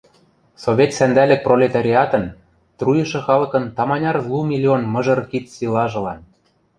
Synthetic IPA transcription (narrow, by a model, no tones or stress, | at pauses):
soβʲet̪sænd̪ælɘ̆k̚prolʲet̪ɑɾʲiɑt̪ɤ̆n | t̪rujɤ̆ʃɤ̆xɑlɤ̆kɤ̆nt̪ɑmɑnʲɑrzlˠumʲilʲionmɤ̆ʒɤ̆rkit̪silɑʒɤ̆lɑn